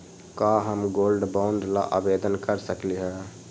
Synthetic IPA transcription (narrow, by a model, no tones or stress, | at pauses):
kaɦəmɡolɖbãʊɳɖla̰ʔa̰bed̪ənkəɾsəkliɦɛ